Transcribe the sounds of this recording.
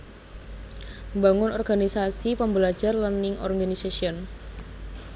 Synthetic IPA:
mbaŋʊnɔrɡanisasipəmbəlḁd͡ʒarlanɪŋɔ̰rɡanisasiɔn

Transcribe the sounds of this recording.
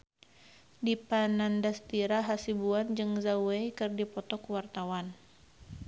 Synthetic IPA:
dipanandast̪iɾaɦasibuand͡ʒɨŋzawwejkɨrdipɔt̪ɔkuwart̪awan

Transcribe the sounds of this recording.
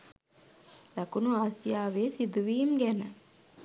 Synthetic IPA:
lɐkunuaːsijaːʋeːsid̪uʋiːmɡænə

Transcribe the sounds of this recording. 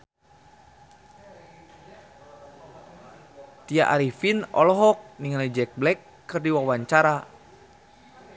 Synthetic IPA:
t̪iaʔaɾifinɔ̰lɔɦɔk̚niŋalid͡ʒɛk̚blɛkːɨrdiwawaɲt͡ʃaɾa

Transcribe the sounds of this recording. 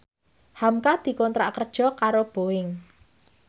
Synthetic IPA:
hamkad̪̥i̤kɔnt̪ɾaʔkərd̥ʒ̥ɔ̤kaɾob̥o̤ɪŋ

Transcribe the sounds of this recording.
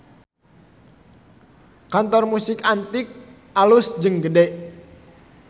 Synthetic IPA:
kant̪ɔrmusɪkant̪ɪk̚ | alusd͡ʒɨŋɡədɛ

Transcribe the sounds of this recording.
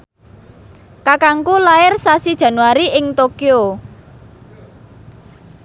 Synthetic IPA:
kakaŋkulaɪrsasid̥ʒ̥ä̤nwaɾiʔɪŋt̪okio

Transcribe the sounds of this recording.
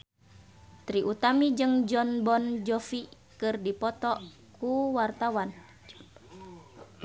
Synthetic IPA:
t̪ɾiʔut̪amid͡ʒɨŋd͡ʒɔnbɔnd͡ʒɔfi | kɨrdipɔt̪ɔ | kuwart̪awan

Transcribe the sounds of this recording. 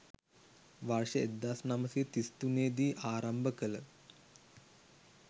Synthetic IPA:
ʋarʂəed̪ːasnaməset̪ist̪uneːd̪iːʔaːɾɐmbəkələ

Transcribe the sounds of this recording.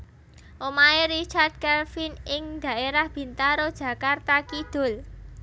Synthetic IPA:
ʔomaeɾit͡ʃard̪̥̚kɛlfinɪŋd̪̥a̤ʔeɾahb̥i̤nt̪aɾod̥ʒ̥ä̤kart̪akid̪̥o̤l

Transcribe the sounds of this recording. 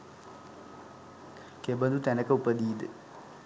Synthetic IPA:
kebɐnd̪ut̪ɛnɐkɐupɐd̪iːd̪ɨ

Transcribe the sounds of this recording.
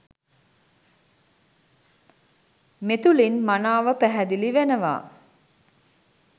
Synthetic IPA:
met̪ulinmanaːʋəpæɦæd̪iliʋenəʋa̰ː

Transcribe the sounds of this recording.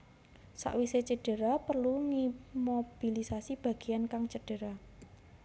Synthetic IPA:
sa̰ʔwiset͡ʃəɖ̥ə̤ɾapərluŋimob̥ilisasib̥ä̤ɡ̥i̤jankaŋt͡ʃəɖ̥ə̤ɾa

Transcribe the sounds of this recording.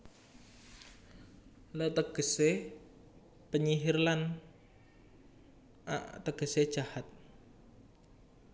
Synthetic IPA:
lət̪əɡ̥ə̤se | pəɲiɦirlan | a̰ʔt̪əɡ̥ə̤sed̥ʒ̥ahat̪̚

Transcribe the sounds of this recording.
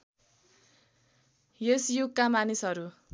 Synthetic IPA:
jesjukkːamanisɦʌɾu

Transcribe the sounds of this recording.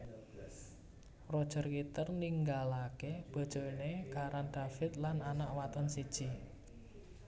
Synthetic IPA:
rod̥ʒ̥ə̤rkit̪ərniŋɡalakeb̥o̤d̥ʒ̥o̤inekaɾanɖ̪̥afɪt̪̚lananaʔwat̪ɔnsid̥ʒ̥i

